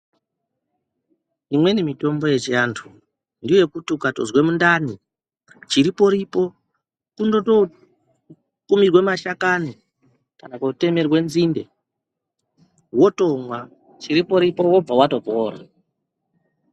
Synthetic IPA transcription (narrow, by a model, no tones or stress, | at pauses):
imwe̞nimito̞mbo̞je̞t͡ʃijantʰu | ndiojekutikatozwe̞mundani | t͡ʃiɾipo̞ɾipo̞ | kundo̞to̞ | kumirwe̞maʃakani | kanakoute̞me̞rwe̞nzinde̞̰ | wo̞to̞mwa | t͡ʃiɾipo̞ɾipo̞wo̞b͡vawato̞po̞ːɾa̰